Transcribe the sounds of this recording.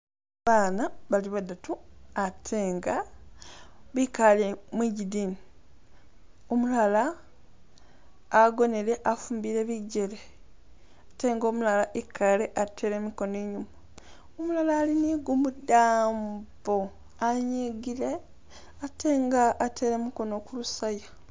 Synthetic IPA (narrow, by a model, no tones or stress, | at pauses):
βaːnaβaliβadːatuatʰeːŋɡa | βikalemwiɟidiːni | omulala | ɡo̞ne̞ɾe̞ʔafuːmbiɾe̞βiɟele | ate̞ːŋɡo̞ːmulalaʔikʰːaleʔatʰe̞ːɾe̞miko̞neːɲuma | omulalaːliniɡumudaːmbo | aɲeɡile̞ | atʰe̞ːŋɡaʔːtʰeːɾemiko̞nokulusaja